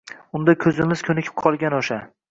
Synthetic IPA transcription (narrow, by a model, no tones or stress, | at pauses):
ʊnd̪akʲʰɵzɪmɪz̥kʲʰɵnɪkʲɪ̥p̚qʰɒlˠɡʲanoʃa